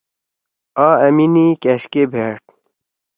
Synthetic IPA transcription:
aːɐminikeɕkeːbʱeːʈ̚

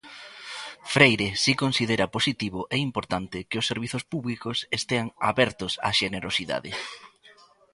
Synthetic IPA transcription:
fɾejɾesikonsiðeɾɐposit̪iβʊʔɛimpoɾt̪ant̪ɪkɪʊsːeɾβ̞iθʊspuβlikʊsest̪eaŋa̰βɛɾt̪ʊsa̰ʃeneɾosiða̰ðɪ̰

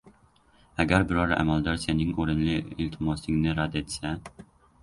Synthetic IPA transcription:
æɡʲæɾbɪɾɑɾʔæ̰mælˠd̪ɑɾsenɪŋuɾɪnlɪilʲt̪ʰmost̪ɪŋnɪɾɑd̪et̪sɛ

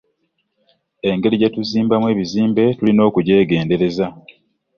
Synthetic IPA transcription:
e̞ŋɡe̞ɾiɟetuziːmbamwe̞ːβiziːmbe̞tulino̞ːkuɟe̞ːɡe̞ːnde̞ɾe̞za

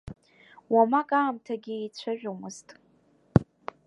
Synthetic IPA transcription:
wamakʼaːmtʰaɡʲiet͡ɕʷʰaʒᶣomɨztʼ

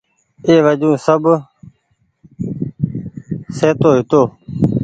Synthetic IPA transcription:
eːʋəd͡ʒũːsəb | seːt̪oːɦɪt̪oː

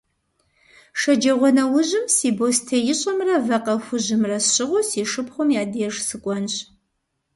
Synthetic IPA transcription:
ʂɐd͡ʒɐʁʷɔnɐwʊʑɪmsiːboːstʰejɪɕʼɐmrɐvɐqɐxʷʊʑɪmrɐsɕɪʁʷʊsiːʂɨpχʷʊmjaːdeʐsɨkʷʼɔnɕ

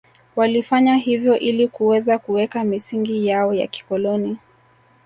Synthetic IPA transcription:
walifaɲaɦivjɔʔilikuwɛzakuwɛkamisiŋɡijaɔja̰ki̥kɔlɔni

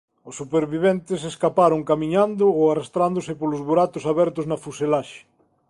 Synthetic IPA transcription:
ʊsːupeɾβiβɛnt̪ɪseskapaɾʊŋkamĩɲand̪ʊoarast̪ɾand̪ʊsɪpolʊzβoɾat̪ʊsaβɛɾt̪ʊznɐfuselaʃɪ̥

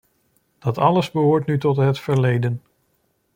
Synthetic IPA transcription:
d̥ɑtɑləzbəɦʊːɹtnytɔtɦətfəɹlejdən

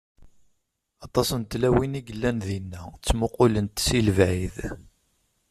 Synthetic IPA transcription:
ɑt̪ˤɑsənt̪læwiniɡəlːænðinːæt͡sːmʊqʊlənt̪silvæʕið

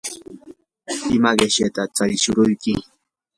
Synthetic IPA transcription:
ɪmaɢeʃjat̪at͡saɾɪʃʊɾʊjkɪ

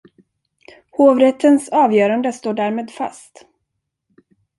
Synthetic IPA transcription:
hoːvɾɛt̪ʰːənsɑːvjœːɾand̪əst̪oːɖæːɾmeːd̪fa̰st̪

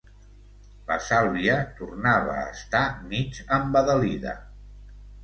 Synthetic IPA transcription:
ləsalˠβiət̪urnaβə̰ːst̪amid͡ʒəmbəðəliðə̰

